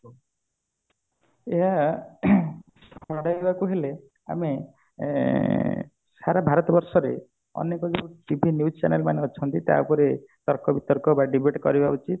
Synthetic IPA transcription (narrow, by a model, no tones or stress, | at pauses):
eɦa | sʰɔɽajbakuɦele | a̰me | saɾabʱaɾɔt̪ɔbɔɾsɔɾe | ɔ̰nekɔd͡ʒeʈibʱinjust͡ʃa̰nelmaneɔt͡ʃʰɔnt̪it̪a̰pɔɾet̪ɔɾkɔbit̪ɔɾkɔbaɖibʱeʈkɔ̰ɾibaut͡ʃit̪